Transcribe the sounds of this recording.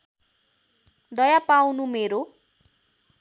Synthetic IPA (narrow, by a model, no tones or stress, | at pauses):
d̪ʌjapawnumeɾo